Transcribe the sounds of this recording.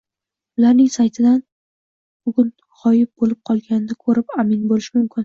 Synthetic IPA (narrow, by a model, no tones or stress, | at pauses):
ʊlaɾnɪŋsajt̪ʰɪd̪an | b̥ʊɡʲʊn | ʁɒjɪp̚bolɪp̚qʰɒlˠɡʲanɪd̪akʰɵɾɪpamɪnbolɪʃɪmʊmkʲɪn